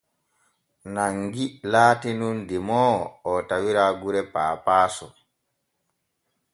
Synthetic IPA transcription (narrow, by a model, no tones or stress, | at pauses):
naŋɡilaːtinundimɔːɔtawiɾaɡuɾɛpaːpaːsɔ